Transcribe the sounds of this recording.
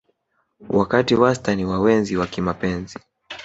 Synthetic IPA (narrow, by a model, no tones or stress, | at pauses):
wʔakatiwastaniwawɛnziwakimapɛnzi